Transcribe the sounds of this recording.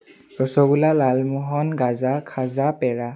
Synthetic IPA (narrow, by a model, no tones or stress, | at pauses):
ɹɔsɔɡulalalmɔɦɔnɡazakʰazapɛɹa